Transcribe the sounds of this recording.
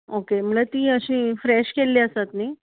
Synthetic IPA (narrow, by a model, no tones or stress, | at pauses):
okem̤əlat̪iːəɕĩːfɾɛɕkelːiəsat̪niː